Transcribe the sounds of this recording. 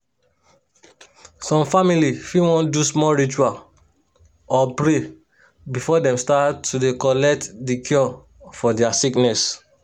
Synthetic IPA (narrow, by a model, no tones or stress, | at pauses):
sɔ̃mfamilifĩwɔ̃ndusmɔɹit͡ʃual | ɔpɹe | bifɔdɛ̃mstatːudekɔlɛk̚tdikʰjɔ | fɔdɛasiknɛs